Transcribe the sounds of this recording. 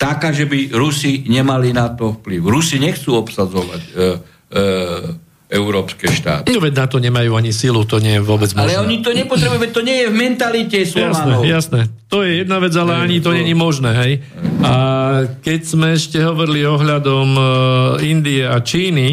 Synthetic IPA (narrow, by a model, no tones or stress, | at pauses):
t̪akaːʒɛbiɾusiɲɛmalinat̪ɔfpliʊɾusiɲɛxt͡suːɔpsad͡zɔʋa̰c | ɛuɾɔːpskɛʃt̪a̰ːt̪̚ɲɔʋɛɟnat̪ɔɲɛmajuːaɲisilut̪ɔɲɪɛjɛʋʊɔbɛd͡zmɔɛɔɲit̪ɔɲɛpɔt̪ɾɛbujuʋɛt̚t̪ːɔɲɪɛjɛvmɛnt̪alicɛsljɔasanɛjasnɛt̪ɔjɛjɛd̪̚naʋɛd͡zalɛaɲit̪ɔɲɛɲimɔʒnɛːɦɛj | akɛcz̥mɛɛʃcɛɦɔʋɔɾiliɔɦʎad̪ɔm | ind̪iɛat͡ʃiːni